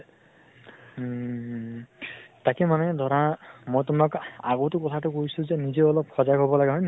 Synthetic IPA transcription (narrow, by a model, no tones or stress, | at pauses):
takɛmanɛd̪ʱɔɹãmojtʊmɔkaɡotʊkɔtʰatʊkojsʊ̃zenizeɔlɔbxʰɔzaɡɦɔbɔlaɡɛɦɔjn